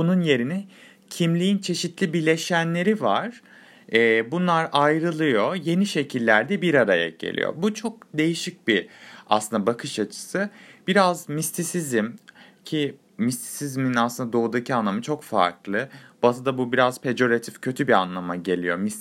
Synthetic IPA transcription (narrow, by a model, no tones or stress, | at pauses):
bununje̞ɾini | cʰimlʲijint͡ʃʰe̞ʃit̪ʰlʲibilʲe̞ʃænlʲe̞ɾivaɾ̥ | ɛbunlˠaɾajɾɯlˠɯjo̞je̞niʃe̞cʰilʲːæɾd̪ɛbiɾaɾaja̰ɟe̞̰lʲḭjo̰but͡ʃʰo̞k̚d̪e̞jiʃic̚bia̰slˠɯnd̪abakʰɯʃat͡ʃʰɯ̥sɯb̥iɾazmist̪ʰisizimcʰi | mist̪ʰi̥sizminaslˠɯnd̪ad̪o̞ud̪acʰianlˠamɯt͡ʃʰo̞kfa̰ɾklˠɯb̥at̪ɯd̪abubiɾaz̥pʰe̞d͡ʒo̞ɾat̪ʰifcʰø̞t̪ʰybia̰nlˠamaɟe̞lʲijo̞̰mis